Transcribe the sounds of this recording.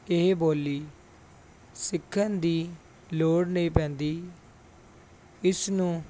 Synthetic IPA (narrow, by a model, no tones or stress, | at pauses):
ɪɦboːliː | sɪkʰːənd̪iː | loːɽnəĩːpɛ̃ːnd̪iː | ɪsnũː